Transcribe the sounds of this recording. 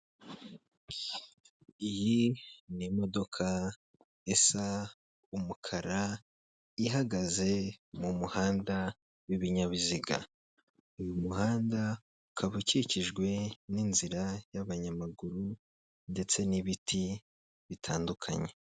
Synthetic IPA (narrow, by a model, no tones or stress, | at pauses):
ijinimo̞do̞kʰa | esa | umukʰaɾa | iɦaɡaze̞mumuhaːnda | wiβiɲaβiziɡa̰ | ujumuhaːnda | ukʰaβuciciʒɡwe̞ninziɾajaβaɲamaɡuɾu | nde̞t͡se̞niβitʰi | βitʰaːndukʰa̰ɲe̞